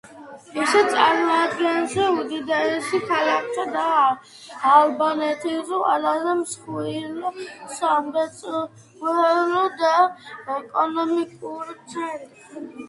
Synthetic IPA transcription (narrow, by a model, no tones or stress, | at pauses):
visɛt̪sʼaɾmɔad̪ɡɛnzɛud̪id̪aɾɛʃikʰalakʰt̪ʰad̪aː | lbanɛt̪ʰizɔa̰lazɛmsχilɔsambɛt͡sʼ | ɛlɔd̪aɛkʼɔnɔmikʼuɾt̪sʰɛ